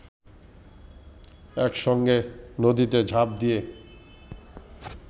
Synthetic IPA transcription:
ɛkʃɔŋɡenod̪it̪ed͡ʑʱap̚d̪ije

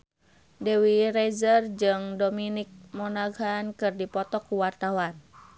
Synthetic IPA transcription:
dɛwiɾɛzərd͡ʒɨŋdominik̚mɔnaɡankɨrdipɔt̪ɔkːuwart̪awan

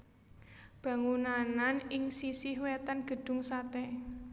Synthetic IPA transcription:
b̥ä̤ŋunananɪŋsisihwɛt̪anɡ̥ə̤ɖ̥ʊ̤ŋsat̪ɛ

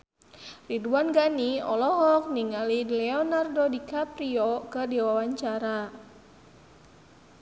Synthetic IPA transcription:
riduanɡaniɔ̰lɔɦɔk̚niŋalilɛɔnardodikapɾiɔkɨdiwawaɲt͡ʃaɾa

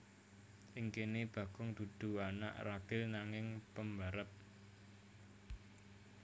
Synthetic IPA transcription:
ʔɪŋkeneb̥ä̤ɡ̥ʊŋd̪̥ṳd̪̥ṳana̰ʔraɡ̥ɪlnaŋɪŋpəmbaɾəp̚

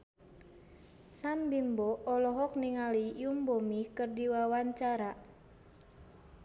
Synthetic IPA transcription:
sambimbɔɔlɔɦɔk̚niŋalijumbɔmikərdiwawaɲt͡ʃaɾa

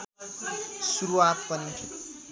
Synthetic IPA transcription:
suɾuwapʌni

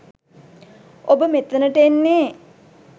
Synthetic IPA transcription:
obəmet̪ənəʈenːe

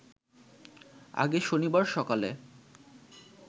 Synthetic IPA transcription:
a̰ɡeʃonibaɾʃɔkalḛ

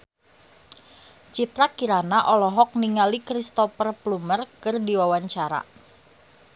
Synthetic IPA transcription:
t͡ʃit̪ɾakiɾanaʔɔlɔɦɔk̚niŋalikɾist̪ɔfərplumərkərdiwawaɲt͡ʃaɾa̰

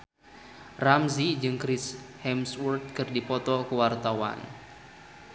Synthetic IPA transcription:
ramsid͡ʒɨŋkɾɪshɛmswurt̪̚kɨrdipɔt̪ɔkəwart̪awa̰n

